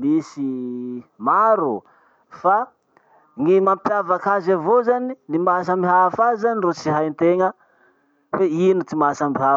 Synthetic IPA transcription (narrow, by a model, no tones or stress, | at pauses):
misi | maɾu | fa | ŋimampjavakazavozaninimas̬amiɦafazanirot͡siɦajnt̪eŋə | weinut͡simasambiɦa